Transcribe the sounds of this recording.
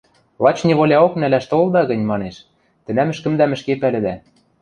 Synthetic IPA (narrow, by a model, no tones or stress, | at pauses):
lˠɑt͡ɕnʲiβolʲɑoknælæʃt̪old̪ɑɣɤ̆nʲmɑneʃ | t̪ɘ̆næmɘ̆ʃkɘ̆md̪æmɘ̆ʃkepælɘ̆d̪æ